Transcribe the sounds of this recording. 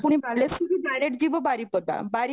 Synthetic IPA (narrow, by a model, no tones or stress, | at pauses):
puɽ̃iballesudiɖajɾeʈ̚d͡ʑiʋəbaɾipəd̪a̰baɾi